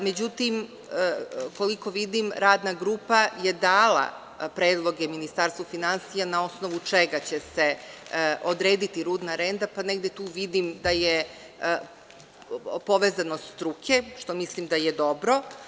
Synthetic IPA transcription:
me̞d͡ʑut̪im | ko̞liko̞ʋid̪imɾaːd̪naɡɾuːpaje̞d̪aːlˠa̰ | pɾeːd̪lˠo̞ɡeminist̪aɾst̪ʋufinansijanao̞sno̞ʋut͡ʂeɡat͡ɕeseʔo̞d̪ɾeːd̪it̪iɾuːd̪naɾe̞nd̪apaneɡd̪e̞t̪uːʋid̪imd̪aje | po̞ʋeːzanost̪ɾukʰeʃt̪o̞mislimd̪ajed̪o̞bɾo̞

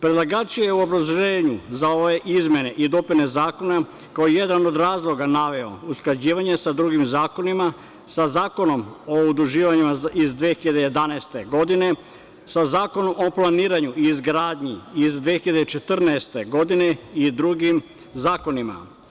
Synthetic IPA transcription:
pɾed̪laɡaːt͡ʃiejeuo̞bɾazloʒeːɲuzao̞ʋe̞ʔizmje̞ne̞ʔid̪o̞pine̞zaːko̞na | kaojje̞d̪ano̞d̪ɾaːzlˠo̞ɡanaʋe̞o̞̰usklad͡ʑiːʋaɲe̞sad̪ɾuɡimzaːko̞nima | sazaːko̞no̞moud̪uʒiːʋaɲimaizd̪ʋeːxiʎad̪eje̞d̪anaest̪e̞ɡo̞d̪ine̞ | sazaːko̞no̞mo̞plˠaniːɾaɲuʔiːzɡɾaːd̪ɲiizd̪ʋeːxiʎad̪et͡ʃe̞t̪r̩naest̪e̞ɡo̞d̪ine̞id̪ɾuɡim | zaːko̞nima̰

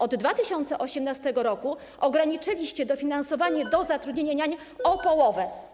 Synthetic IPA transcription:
ɔd̪ːvat̪ɘɕɔnt̪sɛʔɔɕɛmnast̪ɛɡɔɾɔku | ʔɔɡɾaɲit͡ʂɘlʲiɕt͡ɕɛd̪ɔfʲinansɔvaɲɛd̪ɔzat̪ɾud̪ɲeɲaɲa | ɔpɔwɔvɛ

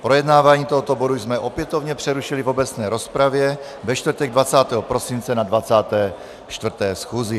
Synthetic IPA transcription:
pɾojɛd̪naːvaːɲiːt̪oɦɔt̪oboduzmɛʔopjɛt̪ovɲɛpr̥ɛɾuʃilivobɛt͡snɛːɾospɾavjɛ | vɛʃt̪vr̩t̪ɛɡ̚d̪vat͡saːt̪ɛːɦɔpɾosint͡sɛnadvat͡saːt̪ɛː | ʃt̪vr̩t̪ɛːsxuːzi

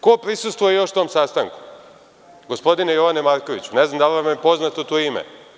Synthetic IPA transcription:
kopɾisust̪ʋujejo̞ʃt̪omsaːst̪aŋku̥ | ɡospo̞d̪inejo̞ʋanemaːɾko̞ʋit͡ɕuneznamd̪aliʋamjepo̞znat̪ot̪oːimḛ

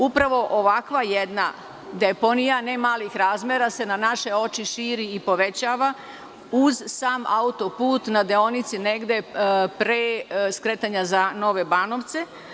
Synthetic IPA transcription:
upɾaʋo̞ʔoʋakʋajed̪na̰ | d̪e̞po̞nijane̞maːlixɾaːzmʲjeɾase̞nanaʃe̞o̞t͡ʃiʃiːɾiːpo̞ʋe̞t͡ɕaːʋa | uzsaːma̰ut̪o̞puːt̪nad̪eo̞nit̪sine̞ɡd̪e̞pɾeskɾeːt̪aɲazano̞ʋe̞bano̞ʋt̪se̞

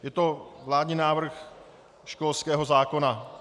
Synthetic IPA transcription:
jɛt̪o̞vlaːd̪ɲiːnaːvr̩x | ʃkolskɛːɦo̞zaːko̞na

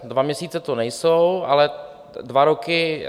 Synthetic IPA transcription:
dvamɲɛsiːt͡sɛt̪onɛjsowa̰lɛ | dvaɾokɪ

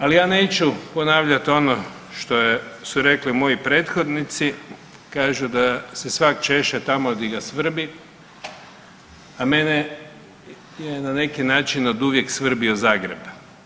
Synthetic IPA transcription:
alijaːne̞ːt͡ʃupo̞naːʋʎat̪o̞no | ʃt̪ojesuɾe̞kliumo̞jipɾeːt̪xo̞d̪nit̪si | kaːʒud̪asesʋakt͡ʃe̞ʃet̪amod̪iɡasʋr̩bi | ame̞ne | jenane̞kinaːt͡ʃinod̪uʋjeksʋr̩biozaːɡɾḛb

